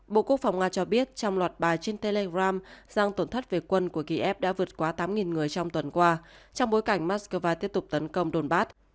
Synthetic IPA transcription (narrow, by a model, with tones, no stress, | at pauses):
ɓo̰˧˨ku˦˥ək̚fa˨˩wŋ͡mŋaː˧t͡ɕɔ˧ɓi˦˥ət̚t͡ɕɔ˧wŋ͡mlwaː˨˩t̚ɓaː˨˩jt͡ɕe˧nt̪e˧le˧ɣaː˧mz̥aː˧ŋt̪o˧˩nt̪ʰə˦˥t̚ve˨˩kwə˧nku˧˩əki˧ʔɛ˦˥p̚ɗa̰ː˧˥vɨ˨˩ət̚kwaː˨˦t̪aː˨˦mŋi˨˩nŋɨ˨˩əjt͡ɕɔ˧wŋ͡mt̪wə˨˩nkwaː˧t͡ɕɔ˧ŋ͡mɓo˨˦jka˧˩jŋ̟maː˦˥t̚skəː˧vaː˧t̪i˦˥əp̚t̪ʊ˨˩k͡p̚t̪ə˨˦nkə˧wŋ͡mɗo˧˩nɓaː˦˥t̚